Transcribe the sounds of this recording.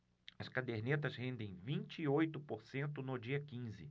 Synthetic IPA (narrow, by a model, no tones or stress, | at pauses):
ɐskad̪eɾnet̪ɐzhẽnd̪ẽj̃vĩnt͡ʃɪːojt̪ʊpoɾsẽnt̪ʊnʊd͡ʒiɐkĩzɪ̰